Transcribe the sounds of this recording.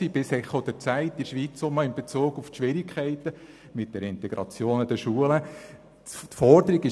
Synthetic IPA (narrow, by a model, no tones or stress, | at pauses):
siːb̥ɪsɛχod̥̪ɛɾt͡sæɪtːiʃʋiːt͡sʊməɪnbet͡suːɡuftʃʋɪɾɪkʰɛɪt̪ə | mɪt̚d̥ɛɾɪntɛɡɾɑ̰t͡sjoːnɑd̥əʃuələ | tfɔɾd̪əɾiɡɪ